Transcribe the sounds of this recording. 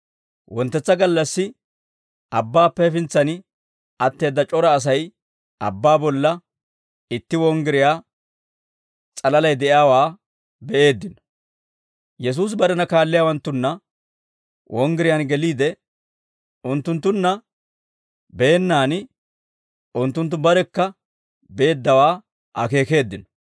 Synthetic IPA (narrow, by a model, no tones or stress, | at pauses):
wɔnt̪ːɛt͡sːɐɡɐlːɐsːɪ | ʔɐbːaːpːɛfɪnt͡sːɐnɪ | ɐt̪ːe̞ːd̪ːɐt͡ʃʼɔɾɐːs̬ɐj | ɐ̰bːaːbɔlːɐ | ɪt̪ːɪwɔŋɡɪɾɪjaː | t͡sʼɐlɐlɐjd̪ɛʔjaːwaː | bɛʔe̞ːd̪ːɪnɔ̥ | jɛs̬uːs̬bɐɾɛnɐkaːlːɪjawɐnt̪ːʊnːɐ | wʔɔŋɡɪɾɪjanɡɛliːd̪ɛ | ʔʊnt̪ːʊnt̪ːʊnːɐ | be̞ːnːaːnɪ | ʔʊnt̪ːʊnt̪̬ːʊbɐɾɛkːɐ | be̞ːd̪ːɐwaː | ʔɐ̰ke̞ːke̞ːd̪ːɪnɔ̥